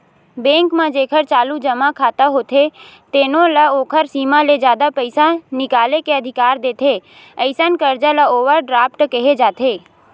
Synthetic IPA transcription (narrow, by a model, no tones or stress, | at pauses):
bẽːŋkmãd͡ʒeːkʰəɾt͡ʃaːlud͡ʒəmakʰaːt̪aɦoːt̪ʰet̪eːnõləoːkʰəɾsiːmaled͡ʒjaːd̪apəɪsanɪkaːlekeəd̪ʱɪkaːɾd̪eːt̪ʰeː | əɪsənkəɾd͡ʒaləoːʋəɾɖɾaːpʈkəɦed͡ʒaːt̪ʰeː